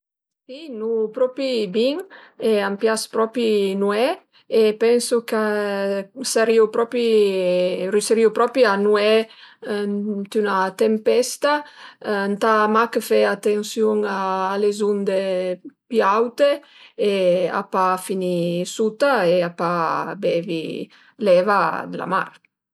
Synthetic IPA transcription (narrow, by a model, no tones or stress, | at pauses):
sinupɾɔpibiŋɛampjaspɾɔpinuɛ | epɛnsukə | saɾiupɾɔpi | ɾiseɾiupɾɔpianuɛ | nt̪ynat̪empɛst̪a | nt̪amakəfɛat̪ensjuŋaːlezund̪epiawt̪e | ea̰pafinisut̪aeapabɛvḭ | lɛvad̪əla̰ma̰ɾ